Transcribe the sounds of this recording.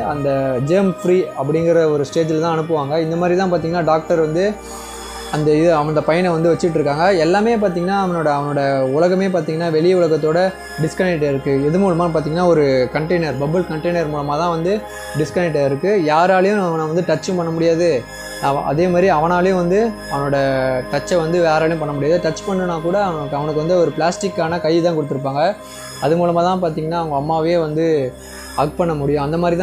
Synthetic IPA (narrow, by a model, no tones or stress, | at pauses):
ɐnd̪ɐd͡ʒeːmfɾiːɐpːɐɽɪŋɡɪɾɐɔɾɯsʈeːd͡ʒɪlt̪ãːɐnɯpːɯʋaːŋɡɐɪnd̪ɐmaːd̪ɾit̪ãːpaːɾt̪iːŋɡɐnːaːɖaːk̚ʈɐɾʋɐnd̪ɯ | ɐnd̪ɐɪðɯɐʋɐnnd̪ɐpɐjɐnʋɐnd̪ɯʋɐt͡ʃːɪʈːɾɯkːaːŋɡɐɛlːaːmeːp̬aːɾt̪̬iːŋɡɐnːaːɐʋɐnoːɽɐːʋɐnoːɽɐʊɭɐɣɐmeːp̬aːɾt̪iːŋɡɐnːaːʋɛɭɪjɐʊɭɐɣɐt̪ːoːɽɐ | ɖɪskɐnɛk̚ʈːɐɪɾɯkːɯɛðɯmuːɭɐmaːpaːɾt̪̬iːŋɡɐnːaːɔɾɯkɐɳʈɐɪnɐɾbɐbɐlkɐɳʈɐɪnɐɾmuːlɐmaːt̪ãːʋɐnd̪ɯ | ɖɪskɐnɛk̚ʈːɐɾɪɾɯkːɯjaːɾaːlɐjʊ̃ɐʋɐnɐʋɐnd̪ɯʈɐt͡ʃːʊ̃mpɐɳːɐmʊɽɪjaːðɯ | ʔɐ̰ðeːmaːd̪ɾiɐʋɐnaːlɐjʊ̃ʋɐnd̪ɯɐʋɐnoːɽɐʈɐt͡ʃːɐʋɐnd̪ɯʋjaːɾaːlɪjʊ̃pɐɳːɐmʊɽɪjaːðɯʈɐt͡ʃːpɐɳːɯnaːkuːɽɐʋɐkːɐʋɐnɯk̬ːʋɐnd̪ɯɔɾɯpɭaːsʈɪkːaːnɐkɐɪt̪ãːkɔɽɯt̪ːɯɾɯp̬ːaːŋɡɐ | ɐðɯmuːlɐmaːt̪ãːpaːɾt̪iːŋɡɐnːaːɐʋɐŋɡɐːmːaːʋeːʋɐnd̪ɯ | ɐk̚pɐɳːɐmʊɽɪjʊ̃ɐnd̪ɐmaːd̪ɾit̪ã